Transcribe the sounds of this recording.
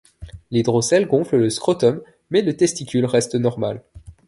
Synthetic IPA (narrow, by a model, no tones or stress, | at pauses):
led̪ʁosɛlɡɔ̃flələskχɔt̪ɔmː | ɛlət̪ɛst̪ikʲylʁɛst̪nɔʁmal